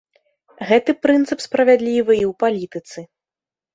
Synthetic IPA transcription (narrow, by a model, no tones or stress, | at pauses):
ɣɛt̪ɨpɾɨnt̪sɨpspɾɐvʲad̪lʲivɨiwpalʲit̪ɨt̪sɨ